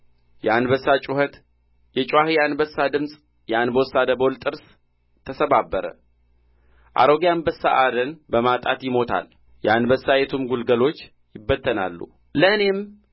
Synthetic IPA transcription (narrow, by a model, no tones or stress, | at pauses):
jɛanbəsːat͡ʃʼuhət̪ | jɛt͡ʃʼwahijanbəsːad̪ɨmsʼ | janbəowsːad̪əbo̞lt̪ʼɨɾs | t̪ʰəsəβabːəɾə̰ | ʔa̰ɾo̞ɡjanbəsːa̰ʔad̪ənbəmat̪ʼat̪jɪmo̞t̪ʰa̰l | jɛanbəsːajɛt̪ʰumɡulɡəlo̞t͡ʃː | jɪbːət̪ʰːəna̰lːṵ | ləɨne̞m